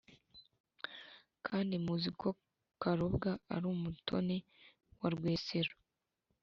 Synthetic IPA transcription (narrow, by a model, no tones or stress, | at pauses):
kʰaːndimuzikʰo | kaɾobɡaa̰ɾuːmutʰo̞̰ne | waɾɡweːseɾo